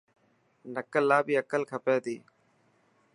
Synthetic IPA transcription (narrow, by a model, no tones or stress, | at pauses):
nəkəlːaːbiːəkəlkʰəpeːt̪iː